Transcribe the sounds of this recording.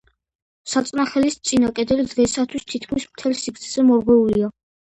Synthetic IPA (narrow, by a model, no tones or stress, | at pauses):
sat̪sʼnaχɛlist̪sʼinakʼɛd̪ɛlid̪ʁɛsat̪ʰwist̪ʰit̪̚ʰkʰmismt̪ʰɛlsikʰt̪sʰɛz̥ɛmɔɾɡwɛulia